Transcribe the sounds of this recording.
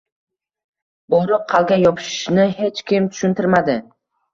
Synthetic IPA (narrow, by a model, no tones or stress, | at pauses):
bɒɾɪq̚qʰːɑlˠɡʲajɒpʰɪ̥ʃɪ̥ʃnɪhet͡ʃkʲɪmt̪ʰʊ̥ʃʊnt̪ʰɪɾmad̪ɪ